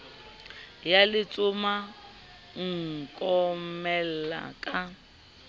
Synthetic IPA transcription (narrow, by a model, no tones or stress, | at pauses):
jalɪt͡sʼʊma | ŋ̩kʼɔmɛl̩la̰kʼa